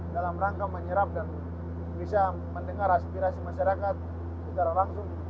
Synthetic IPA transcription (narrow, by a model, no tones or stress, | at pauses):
dalamraŋkaməɲəɾap̚dan | bisa | məndəŋaɾaspiɾasimaʃaɾakat̪̚ | sətaɾalaŋsʊŋ